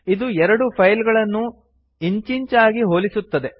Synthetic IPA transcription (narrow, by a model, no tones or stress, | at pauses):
id̪uɛɾɐɽupʰɐjlɡɐɭɐnːu | iɲt͡ʃiɲt͡ʃaːɡiɦo̞ːlisut̪ːɐd̪e̞